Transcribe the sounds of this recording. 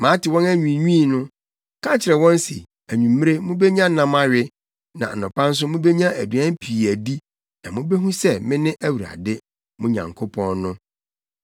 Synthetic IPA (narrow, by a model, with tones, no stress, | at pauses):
mã˨˦tɪ˨wɔ̃˦næ˦ɲᶣĩ˨ɲuĩː˦˨nʊ̃˦ | kʰã˦t͡ɕʰɪ˨ɾɛ˨wɔ̃˦n˦sḭ˨ | æ˨ɲũ˨mː˦ɾe˦mʊ̃˦be˦ɲã˦nã˦ma˦ɥɪ˦ | nã̰˨nʊ̃˨pʰã˦n̩˦s̬ʊ˦mʊ̃˦be˦ɲã˦æ˨dɥã˦m˦pʰi˨æ˨di˦ | nã̰˨mʊ̃˦be˦ɦũ˦sɛ˦mɪ̃˦nɪ̃˦ʔæ˦wu˨ɾa̰˨dɪ˦ | mʊ̃˦ɲã̰˨ŋkʰo˦pʰɔ̃˦nːʊ̃˦